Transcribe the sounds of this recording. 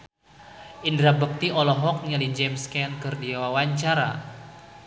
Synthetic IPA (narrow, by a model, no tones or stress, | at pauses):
ʔindɾabək̚t̪iʔɔlɔɦɔk̚nialid͡ʒɛmskɛnkərdiawawaɲt͡ʃaɾa